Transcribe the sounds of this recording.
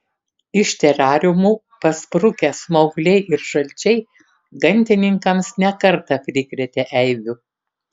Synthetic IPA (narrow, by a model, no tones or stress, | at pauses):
ɪʃʲt̪ʲɛɾʲɑːɾʲʊmuː | pɐspɾʊkʲɛsmɐʊɡlʲɛɪʔɪɾʃɐlʲt͡ʃʲɛɪ | ɡɐnʲˑt̪ʲɪnʲɪŋkɐmsnʲɛkɐɾt̪ɐpʲɾʲɪkɾʲɛt̪ʲeʔɛɪʋʲʊ